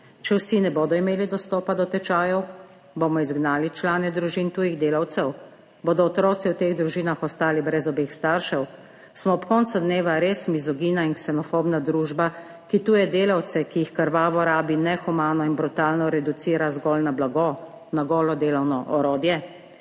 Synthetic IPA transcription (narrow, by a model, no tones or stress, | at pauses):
t͡ʃɛwsinɛboːd̪ɔimeːlid̪ɔst̪ɔːpad̪ɔt̪ɛt͡ʃaːjɔw | boːmɔizɡnaːlit͡ʃlaːnɛd̪ɾuʒint̪uːjiɣd̪eːlawt̪sɛw | boːd̪ɔːt̪ɾɔːt̪siwt̪eːɣd̪ɾuʒiːnaxɔst̪aːlibɾɛzɔbeːxst̪aɾʃɛw | smɔɔpkɔnt̪sad̪neːʋaɾeːsmizɔɡiːnainksɛnɔfobnad̪ɾuːʒba | kit̪uːjɛd̪eːlawt̪sɛkijixkəɾʋaːʋɔɾaːbinɛxumaːnɔinbɾut̪aːlnɔɾɛd̪ut̪siːɾazɡɔlnablaɡɔ | naɡɔːlɔd̪eːlɔwnɔʔɔɾoːd̪jɛ